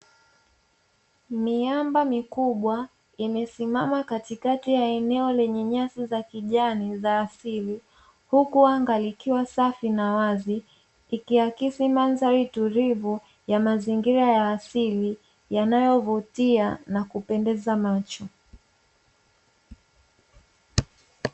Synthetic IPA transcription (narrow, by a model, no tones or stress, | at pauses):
miambamikuɓwa | imɛsimamakatikatijaɛnɛɔlɛɲɛɲasizakiʄanizaːsili | hukuaŋɡalikiwasafinawaziː | kiakisimanzaɾituɾivu | jamaziŋɡiɾajaːsili | janajɔvutianakupɛndɛzamat͡ʃɔ